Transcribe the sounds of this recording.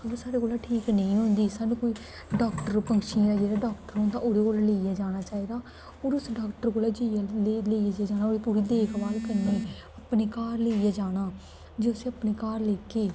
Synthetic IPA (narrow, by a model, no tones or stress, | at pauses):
əsaːɽeːkoːlaːʈʰiːknəĩːɦʊ̃nd̪iːsaːnũːkoːiː | ɖaːkʈəɾpəŋɡʃĩɾad͡ʒeːɾaːɖaːkʈəɾɦõnd̪a̰ːʔoːɾeːkoːlaleːijaːd͡ʒaːɽ̃aːt͡ʃaːiːd̪aː | oːɾʊsɖaːkʈəɾkoːlaːd͡ʒejaleːijaːd͡ʒaːd͡ʒaːñaːoːɾiːpuːɾiːd̪eːkʰʋaːlkəɾneː | əpneːkaːɾleːijaːd͡ʒaːɽ̃aː | d͡ʒeːʊseəpneːkaːɾleːkeː